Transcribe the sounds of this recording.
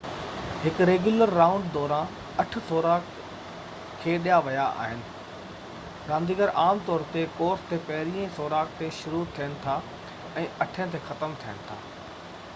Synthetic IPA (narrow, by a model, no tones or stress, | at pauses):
hɪkʊɾeːɡjʊləɾːãːʊ̃ɳɖd̪ɔːɾã | ɐʈ̆ʰsoːɾaːk | kʰːeːɗijaʋɐjaʔa̰ːɦɪnɪ̆ | ɡãːnd̪iːɡəɾʔaːmt̪ɔːɾt̪ekoːɾst̪epɐɦɪɾiːə̃soːɾaːkt̪eʃʊɾut̪ʰijənɪ̆t̪ʰa | ɛ̃ːɐʈʰə̃t̪exɐt̪əmt̪ʰijəñɪ̆t̪ʰa̰ː